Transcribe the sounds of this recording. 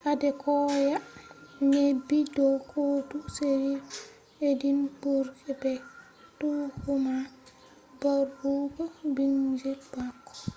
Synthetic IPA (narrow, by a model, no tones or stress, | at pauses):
ʔadɛkʰɔjaɲebidɔkʰotuseɾi | edinbuɾɡɛbɛ | tuhuma | baɾhuɡɔbind͡ʒɛb̥akːɔ̥